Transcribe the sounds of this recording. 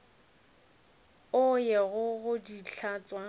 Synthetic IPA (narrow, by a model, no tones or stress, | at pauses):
ʊjɛɣʊɣʊdiɬʰat͡sʼwa